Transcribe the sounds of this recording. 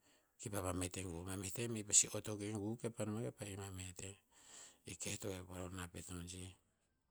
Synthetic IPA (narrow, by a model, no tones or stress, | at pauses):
kipapameteŋɡumametemepasiotokeɡukepanumekepaimamete | iketoepaɾonapetond͡ʒi